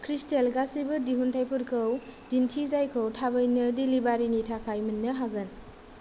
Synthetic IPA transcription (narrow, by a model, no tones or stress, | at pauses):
kʰɾistelɡasibɯdiɦuntʰajpʰuɾkʰɯwd̥intʰizajkʰɯwtʰabəjnɯdilibaɾinitʰakʰajminːɐɦaɡɯn